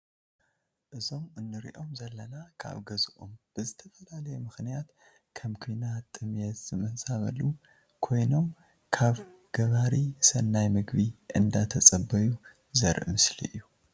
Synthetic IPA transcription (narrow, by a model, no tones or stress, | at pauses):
ʔɨzo̞mɨnːɨɾḭʔo̞mzɐlːɐnakʰa̰βɡɐzɨʔo̰mb̥ɨzɨt̪ʰɐfɐlalɐjɛmɨxnijat̪ | kʰɐmkʰinat̪ʼːɨmjɛzɨmɨhsʼaβɐ̰lːu | kʰo̞jno̞m | kʰaβ | ɡ̥ɐβaɾisɐnːajmɨɡβiʔɨnd̪at̪ʰɐt͡sʼɐbːɐju | zɐɾʔmɨslḭʔjːu